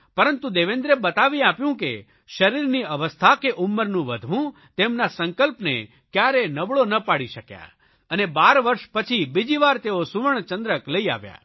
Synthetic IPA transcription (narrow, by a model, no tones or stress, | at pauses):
pəɾənt̪ũd̪eʋend̪ɾebət̪aʋiapjũkḛ | ʃəɾiɾniəʋəst̪ʰakeʔʊmːəɾnũʋəd̪ʱʋũ | t̪emnasəŋkəlpnḛ | kjaɾenəʋɭonəpaɽiʃəkja̰ | ənebaɾʋəɾʃpət͡ʃʰibid͡ʒiʋaɾt̪eosuʋəɳ̃t͡ʃə̃nd̪ɾəkləia̰ʋja̰